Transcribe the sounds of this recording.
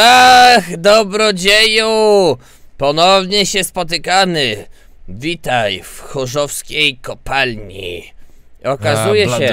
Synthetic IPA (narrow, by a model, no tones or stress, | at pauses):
t̪axd̪ɔbɾɔd͡ʑeju | pɔnɔvɲɛɕɛspɔt̪ɘkamɘ | vʲit̪ajfxɔʐɔfskʲejkɔpalɲḭ | ɔkazujɛɛ